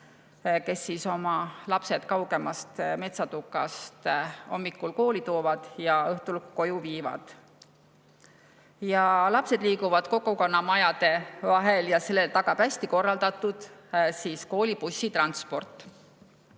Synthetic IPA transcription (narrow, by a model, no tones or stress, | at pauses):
ke̞sːiso̞mɑlɑpse̞d̪̥kɑwɡ̥e̞mɑst̪me̞t̪sɑt̪ukːˑɑst̪o̞mːikːulko̞ːlit̪o̞ːvɑd̪̥jɑɤht̪ulkko̞juviːvɑ̰d̪̥ | jɑlɑpse̞d̪̥liːkuvɑd̪̥ko̞kːuko̞nːɑmɑjɑd̪e̞vɑɦeljɑse̞lːelt̪ɑɡ̥ɑb̥æsʲt̪iko̞rːɑld̪̥ɑt̪ːud̪̥siːsko̞ːlipusʲːit̪rɑnspo̞rt̪ːˑ